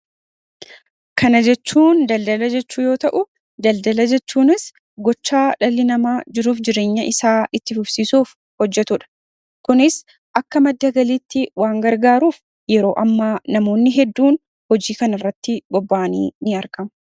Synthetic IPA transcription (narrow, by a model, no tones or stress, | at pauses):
kɐnɐd͡ʒɛt͡ʃːuːnd̪ɐld̪ɐlɐd͡ʒɛt͡ʃːuːjo̞ːt̪ɐʔʊ | d̪ɐld̪ɐlɐd͡ʒɛt͡ʃːuːnɪs | ɡɔt͡ʃːaːᶑɐlːɪnɐmaːd͡ʒɪɾuːfd͡ʒɪɾe̞ːɲːɐʔɪsaːʔɪt̪ːɪfʊbsiːsuːf | hɔd͡ʒːɛt̪ʊᶑɐ̥ | kʊnɪs | ʔɐkːɐmɐd̪ːɐɡɐliːt̪ːɪwaːŋɡɐɾɡaːɾuːf | jɛɾo̞ːʔɐmːaːnɐmo̞ːnːɪɦɛd̪ːuːn | hɔd͡ʒiːkɐnɐrːɐt̪ːɪɡ̥ɔbːaːnḭːnɪɐɾkɐmɐ